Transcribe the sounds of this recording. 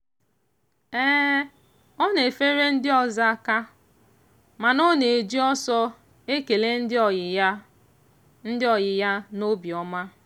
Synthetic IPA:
ɛː˦ | ɔ˦ne˨fe˦ɾe˦n̩˦dɪ˦ɔ˦˨za˦ka˦ | ma˨no˦ne˨e˨d͡ʒi˦ɔ˦sɔ˦ | e˦ke˨le˦n̩˦dɪ˦˨˦ | n̩˦dɪ˦ɔ˨jɪ˨ja˦no˦bi˨ɔ˨˦ma˦

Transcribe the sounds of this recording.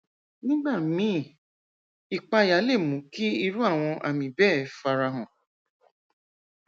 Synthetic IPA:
nĩ˦ɡ͡ba˦˨mĩ˨˦˨ | i˨k͡pa˧˨ja˨˦le˦˨mũ˨˦ki˦i˧ɾu˦a˦˨w̃ɔ̃˧ʔa̰˨mĩ˨bɛ˦fa˧ɾa˧ɦɔ̃˨

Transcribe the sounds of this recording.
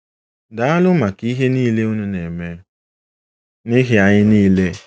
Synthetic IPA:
da˨a˦lʊ˦ma˨ki˦ɦe˦niː˦le˦u˦nu˦ne˨me˦ | nɪ˦ɦe˦a˨ɲɪ˦niː˦le˦

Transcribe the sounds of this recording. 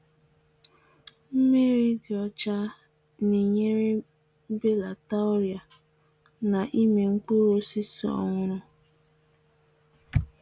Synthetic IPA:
m̩˦me˦ɾi˦dɪ˨ɔ˦t͡ʃa˦ | ni˨ɲe˦ɾe˦ | be˦la˨ta˦ʊ˦ɾja˨ | na˨ʔi˦me˨ŋ̩˦ku˦ɾo˦si˦sɔ̰˨ŋʊ˨ɾʊ˨

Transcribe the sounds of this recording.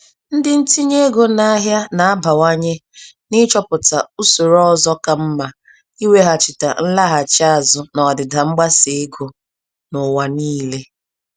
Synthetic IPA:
n̩˦dɪ˦n̩˦ti˦ɲe˦ɡo˦na˦ɦja˦na˨a˦ba˨wa˦ɲe˦nɪ˦t͡ʃɔ˦pʊ˨ta˨u˦so˨ɾɔ˦˨zɔ˦ka˨m̩˦ma˨ | i˦we˦ɦa˨t͡ʃɪ˨ta̰˨n̩˦la˦ɦa˨t͡ʃa˦˨zʊ˦nɔ˨dɪ˨da˨ŋ͡m̩˦ɡ͡ba˦se˨e˦ɡo˨ | nʊ˨wa˨niː˦le˦

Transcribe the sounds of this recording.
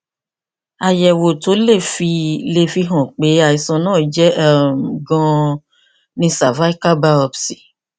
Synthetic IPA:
a˨jɛ˨wo˨to˨˦le˦˨fi˧le˨fi˧ɦɔ̃˨k͡pe˨˦a˨i˨sɔ̃˧nãː˦˨d͡ʒɛ˦˨m˨ɡɔ̃˧ | nĩ˧sa˨va˦i˦ka˦ba˦ɔ˧bsi̥˨

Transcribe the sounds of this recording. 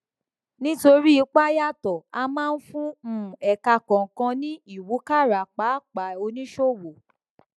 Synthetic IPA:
nĩ˦to˧ɾi˦i˨˧˦k͡pa˦ja˦˨tɔ˨a˧mãː˦˧n̩˦fũ˦m̩̃˦˨ɛ˨ka˧kɔ̃˨kã˧nĩ˦i˦˨wu˨˦ka˦˨ɾa˨k͡pa˨˦k͡pa˨˦o˧nĩ˦ʃo˦˨wo˨

